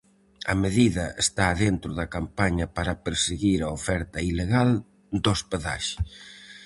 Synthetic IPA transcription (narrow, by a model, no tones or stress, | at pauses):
ɐmeðiðɐḛst̪aːðent̪ɾʊðɐkampaɲɐpaɾɐpeɾseɣiɾɐofɛɾt̪ɐileɣal | d̪ospeða̰ʃe̥